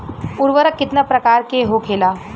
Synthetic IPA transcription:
uɾʋəɾəkːit̪nəpɾəkaɾkeɦokʰela

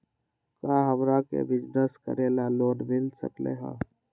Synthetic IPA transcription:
kaɦəmɾakḛbɪd͡ʒnəskə̰ɾelaloːnmɪlsə̰klḛɦa̰ː

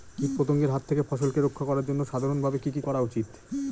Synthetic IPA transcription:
kik̪̚pɾot̪oŋɡeɾɦat̪ʰːekefɔʃolkeɾokʰːakɔɾaɾd͡ʑonːoʃad̪ʱaɾonbʱabekikikɔɾaut͡ɕit̪

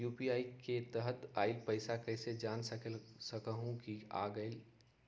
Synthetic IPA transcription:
juːpiaːiket̪əɦət̪aːɪlpəɪsakɐɪsed͡ʒaːnssəkəɦũkia̰ːɡəɪl

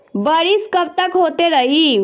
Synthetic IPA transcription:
bəɽiskəp̚t̪əkɦot̪eɾəɦi

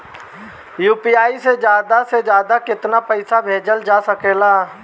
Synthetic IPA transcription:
juːpiːaːised͡ʒjaːd̪ased͡ʒjaːd̪akɪt̪napəɪsabʱeːd͡ʒəld͡ʒaːsəkeːlaː

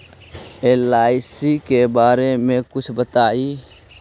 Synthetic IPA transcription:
eːlaːɪsikebaːɾemẽkʊt͡ʃʰbət̪aːiː

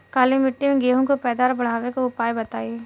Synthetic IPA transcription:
kaːlimɪʈːimẽɡeːɦõkopɛːd̪aːɾbɐɽ̤aːʋekoʊpaːjbɐt̪aːi

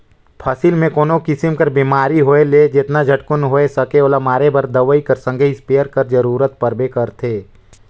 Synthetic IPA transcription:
pʰɐsɪlmẽkoːnokɪsɪmkɐɾbiːmaːɾiɦoːeled͡ʒɪt̪nad͡ʒʱɐʈkʊnɦoːesɐkeoːlamaːɾebɐɾd̪ɐʋəikɐɾsə̃ŋɡʱəispeːəɾkɐɾd͡ʒəɾuːɾət̪̚pɐɾbekɐɾt̪ʰeː

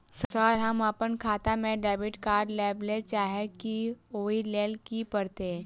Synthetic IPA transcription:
ssəɾɦɐməpənkʰaːt̪amẽɖaːbɪʈkaːɾɖlɛːblet͡ʃaːɦekioːileːlkipəɾt̪e

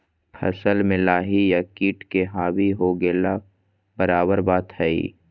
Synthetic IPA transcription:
pʰɐ̰səlmẽlaːɦijakiːʈkeɦaːbiɦoːɡeːla | bəɾaːbəɾbaːt̪ɦɛḭː

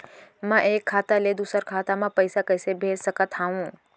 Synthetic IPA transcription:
mə̃ʔeːkʰːaːt̪aled̪usəɾkʰaːt̪amãpəjsakəjsebʱeːd͡ʒsəkət̪ɦaũ

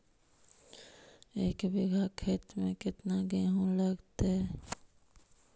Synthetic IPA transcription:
eːkbɪɡʱakʰeːt̪mẽkɪt̪naɡeɦõləɡt̪eɛ

